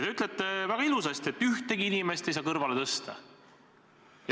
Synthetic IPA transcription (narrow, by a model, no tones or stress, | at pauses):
t̪eyt̪ːˑlet̪ːˑevæɡ̥ɑilusɑst̪e̞t̪ːˑyht̪eɡiinime̞st̪e̞jsɑːkɤrvɑlet̪ɤst̪ɑ̰ | jɑ